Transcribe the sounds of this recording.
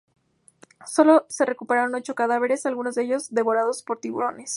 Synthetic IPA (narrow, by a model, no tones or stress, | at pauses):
so̞lo̞se̞rekupe̞ɾaɾo̞no̞t͡ʃo̞kaðaβe̞ɾe̞salɣunozðeeʝo̞zðe̞βo̞ɾað̞o̞spo̞ɾt̪iβṵɾo̞ne̞s